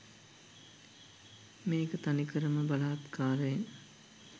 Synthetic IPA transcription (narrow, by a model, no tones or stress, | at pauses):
meːkət̪anikəɾəməbalaːt̪kʰaːɾəeŋ